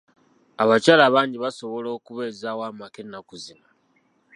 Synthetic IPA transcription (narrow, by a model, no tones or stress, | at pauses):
aβacaːlaːβaːɲɟiβaso̞βo̞lo̞ːkuβe̞ːzaːwaːmakenakuzima